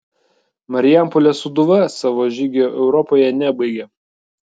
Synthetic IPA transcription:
mɐɾʲɪjæmpɔlʲɛsʊd̪ʊʋɐsɑʋoːʒʲɪɡʲɛoːʔɛʊɾɔpoːjɛnʲɛbɐɪɡʲɛ

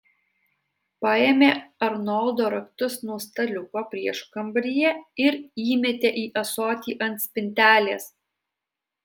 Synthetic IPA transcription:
pɐeːmʲeːɐɾnɔlˠd̪oːɾɐkt̪ʊsnuɔst̪ɐlʲʊkoːpʲɾʲiɛʃkɐmʲbɾʲɪjɛɪɾiːmʲɛt̪ʲeːʔiːʔɐsɔːt̪ʲiːʔɐnʲt̪sʲpʲɪnʲt̪ʲæːlʲeːs

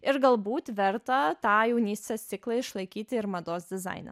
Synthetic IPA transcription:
ɪɾɡɐlˠbuːt̪ʋʲɛɾt̪ɐt̪ɑːjɛʊnʲiːsʲt̪ʲɛst̪sʲɪklˠɐɪʃlˠɐɪkʲiːt̪ʲɪɪɾmɐd̪oːsd̪ʲɪzɐ̰ɪnɐ̰

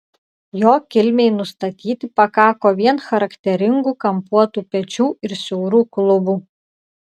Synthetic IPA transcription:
joːkʲɪlʲmʲeɪnʊst̪ɐt̪ʲiːt̪ʲɪpɐkɑːkoːʋʲiɛnxɐɾɐkt̪ʲɛɾʲɪŋɡuːkɐmpuɔt̪uːpʲɛt͡ʃʲuːɪɾsʲɛʊɾuːklˠʊbuː

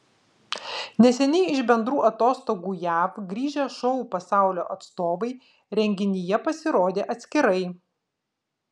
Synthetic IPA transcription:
nʲɛsʲɛnʲɛɪɪʃbʲɛnd̪ɾuːʔɐt̪oːst̪oːɡuːjæːfɡɾʲiːʒʲɛʃɔʊpɐsɑˑʊlʲo̰ːʔɐt̪st̪oːʋɐɪ | ɾʲɛŋʲɡʲɪnʲɪjɛpɐsʲɪɾoːd̪ʲeːʔɐt̪ʲsʲkʲɪɾɐɪ

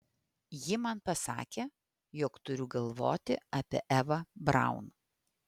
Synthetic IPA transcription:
jɪmɐnpɐsɑ̰ːkʲeː | joːkt̪ʊɾʲʊɡɐlˠʋo̰ːt̪ʲɪɐpʲḭʔɛʋɐbɾɑ̰ˑʊn

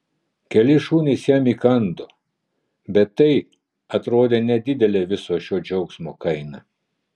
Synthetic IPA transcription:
kʲɛlʲɪʃuːnʲɛɪsjɛmʲiːkɐnd̪oː | bʲɛt̪ːɐɪ | ɐt̪ɾoːd̪ʲeːnʲɛd̪ʲɪd̪ʲɛlʲeːʋʲɪsoːʃʲoːd͡ʒʲɛʊksmoːkɐɪnɐ

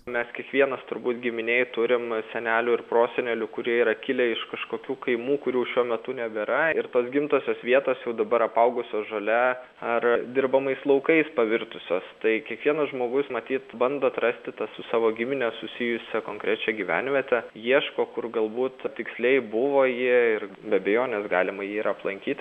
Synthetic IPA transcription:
mʲɛskʲiɛkʋʲiɛnɐst̪ʊɾbuːt̪ɡʲɪmʲɪnʲeːɪt̪ʊɾʲɪmsʲɛnʲæːlʲʊːɪrproːsʲɛnʲɛlʲʊkʊɾʲiɛiːɾɐkʲɪlʲɛɪʃkɐʃkoːkʲuːkɐɪmuːkʊɾʲuʊʃʲuɔmʲɛt̪ʊnʲɛbʲɛɾɐɪɾt̪oːsɡʲɪmt̪oːsʲoːsʋʲiɛt̪oːsjɛʊd̪ɐbɐɾɐpɐʊɡʊsʲoːsʒolʲɛ | ɐrd̪ʲɪrbɐmɐɪslˠɐʊkɐɪspɐʋʲɪɾt̪ʊsʲoːst̪ɐɪkʲiɛkʋʲiɛnɐsʒmoːɡʊsmɐt̪ʲiːt̪bɐnd̪oːt̪rɐsʲt̪ʲɪt̪ɐssʊsɑːʋoːɡʲɪmʲɪnʲɛsʊsʲɪjʊsʲɛkoːŋkɾʲæt͡ʃʲɛɡʲiʋʲæ̰ːnʲʋʲiɛt̪ʲɛjiɛʃkoːkʊrɡɐlˠbuːt̪t̪ʲɪksʲlʲɛɪbʊʋoːjiɛɪr | bʲɛbʲɛjoːnʲɛsɡɑːlʲɪmɐjiːiɾɐɐplˠɐŋʲkʲiːt̪ʲ

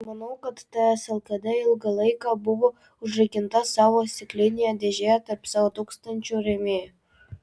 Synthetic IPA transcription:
mɑnɐʊkɐt̪ːɑæsɐlˠkɐd̪ʲɛɪlˠɡɑlˠɐɪkɑbuʋo | ʊʒrɐjkʲɪnt̪ɑsɑʋosʲt̪ʲɪklʲenʲɪjæd̪ʲeʒʲæɛt̪ɐrpsɑʋot̪ukst̪ɐnʲt͡ʃʲuɾʲemʲe

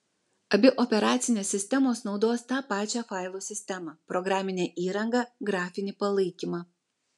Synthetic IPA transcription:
ɐbʲɪʔɔpʲɛɾɑːt̪sʲɪnʲeːsːʲɪsʲt̪ʲɛmoːsnɒʊd̪oːst̪ɑːpɑːt͡ʃʲæːfɑˑɪlˠoːsʲɪsʲt̪ʲɛmɑːpɾɔɡɾɑːmʲɪnʲeːʔiːɾɐŋɡɐːɡɾɑːfʲɪnʲɪpɐlˠɐɪkʲimɑː

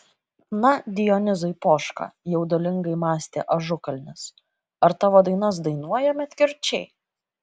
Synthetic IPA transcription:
nɐd̪ʲɪjɔnʲɪzɐɪpoːʃkɑ̰jɛʊd̪ɔlʲɪŋɡɐɪmɑːsʲt̪ʲḛːʔɐʒʊkɐlʲnʲɪs | ɐɾt̪ɑːʋoːd̪ɐɪnɐs̬d̪ɐɪnuɔjɛmʲɛt̪ʲkʲɪɾʲt͡ʃʲɛɪ

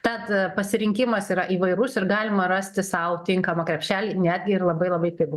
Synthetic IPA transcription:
t̪ɐt̪pɐsʲɪɾʲɪŋʲkʲɪmɐsiːɾɐʔiːʋɐɪɾʊsɪrɡɑːlʲɪmɐɾɑsʲt̪ʲɪsɐʊt̪ʲɪŋkɐmɐkɾʲɛpʲʃʲæːlʲiːnʲæːd̪ʲɡʲɪɪrlˠɐbɐɪlˠɐbɐɪpʲɪɡ

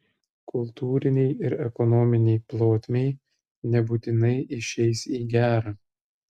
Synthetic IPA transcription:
kʰʊlˠt̪uːɾʲɪnʲɛɪɪɾɛkɔnɔmʲɪnʲɛɪplˠoːt̪ʲmʲeɪ | nʲɛbuːt̪ʲɪnɐɪɪʃʲɛɪsiːɡʲæːɾɑː

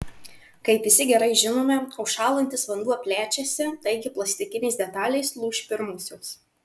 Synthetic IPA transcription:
kɐɪpʋʲɪsʲɪɡʲɛɾɐɪʒʲɪnoːmʲɛɐʊʃɑːlˠɐnʲt̪ʲɪsʋɐnd̪uɔpʲlʲæːt͡ʃʲɛsʲɪt̪ɐɪɡʲɪplˠɐsʲt̪ʲɪkʲɪnʲɛɪsd̪ʲɛt̪ɑːlʲɛɪslˠuːʃʲpʲɪɾmʊsʲoːs

